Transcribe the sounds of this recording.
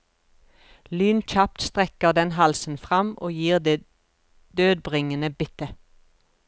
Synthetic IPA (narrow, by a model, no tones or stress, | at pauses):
lyːnc͡çɑp̚t̪st̪ʁɛkəʁd̪ɛnhɑlsn̩fʁɑmʔoːjiːʁd̪eː | d̪̥øːd̪̚bʁɪŋənəbɪt̪ə